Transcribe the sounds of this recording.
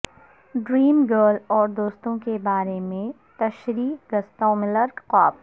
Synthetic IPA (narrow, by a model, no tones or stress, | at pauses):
ɖɾiːmɡəːɾlɔːɾd̪oːst̪õkebaːɾemẽ | t̪ɐʃɾiːɡɐst̪õːmɪləɾɡqaːb̚